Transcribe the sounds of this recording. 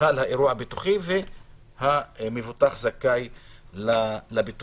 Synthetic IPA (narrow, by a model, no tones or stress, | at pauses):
alhaʔeɾuahabit̪uχive | hamevut̪aχzakajlalabit̪